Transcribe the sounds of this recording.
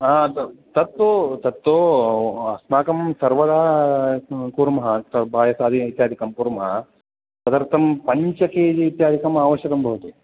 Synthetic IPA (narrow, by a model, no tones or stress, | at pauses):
aːt̪ɐt̪ːot̪ɐt̪ːoːɐsmaːkɐmsɐɾʋɐd̪aː | kuːɾmɐɦɐt̪ɐbʱaːjɐsaːd̪iit̪jaːd̪ʱikɐmpuːɾmɐɦɐ | t̪ɐd̪ɐɾt̪ʰɐmpɐɲt͡ʃɐkeːd͡ʒiit̪jaːd̪ʱikɐmaːʋɐʃjɐkɐmbʱɐʋut̪u